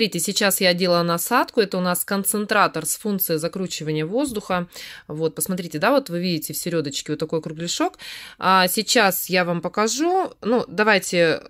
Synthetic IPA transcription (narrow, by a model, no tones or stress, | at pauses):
ɾʲitʲɪsʲɪt͡ɕasjadʲe̞lˠənɐɐsat̪kʊɛt̪əʊnaskənt̪sɨnt̪ɾat̪ərsfunt̪sɨjɪzɐkɾut͡ɕɪvənʲɪjəvo̞zd̪ʊxəvo̞t̪̚pəsmɐt̪ɾʲitʲɪd̪avo̞t̪vɨvʲidʲɪtʲɪfsʲɪɾʲo̞d̪ət͡ɕkʲɪvot̪ːɐkojkɾʊɡlʲɪʂo̞kasʲɪt͡ɕasjavampəkɐʐunud̪ɐvajtʲɪ